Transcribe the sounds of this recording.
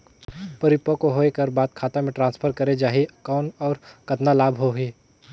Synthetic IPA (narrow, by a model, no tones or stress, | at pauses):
pɐɾɪpːəkoɦoːekɐɾbaːd̪̚kʰaːt̪amẽʈɾãːnspʰəɾkɐɾed͡ʒaːɦiɐkaːʊɳɔːɾkɐt̪nalaːbɦoɦiː